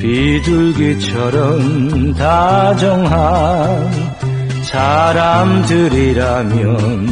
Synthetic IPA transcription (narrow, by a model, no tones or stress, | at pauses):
piduɭɡit͡ɕʰʌɾʌmtad͡ʑɔŋɦa | saɾamdɯɾiɾamjʌn